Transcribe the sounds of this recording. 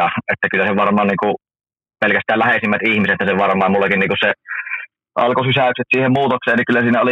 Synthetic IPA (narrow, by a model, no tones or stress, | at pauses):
ɑʔet̪ːækylːæseʋɑrmˑɑːnniːŋku | pelkæst̪ˑæːllæhesimːæt̪ihmiset̪ːæseʋʋɑrmˑɑːmmulːɑkinniːkusse | ʔɑ̰lkosisæˑykset̪siːhemmuːt̪okseːnikylːæsiːnæoli